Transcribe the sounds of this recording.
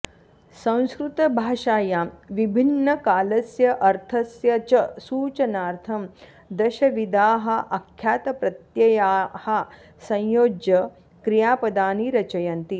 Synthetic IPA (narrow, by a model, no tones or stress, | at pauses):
sɐ̃w̃skɾut̪ɐbʱaːʃaːjaːʋibʱinːɐkaːlɐsjɐʔɐɾt̪ʰɐsjɐt͡ʃɐsuːt͡ʃɐnaːɾt̪ʰɐm | d̪ɐʃɐʋid̪aːɦɐ̆ʔɐkʰjaːt̪ɐpɾɐt̪jɐjaːhɐ̆ | sɐ̃jjoːd͡ʒjɐ | kɾijaːpɐd̪aːniɾɐt͡ʃɐjɐnt̪i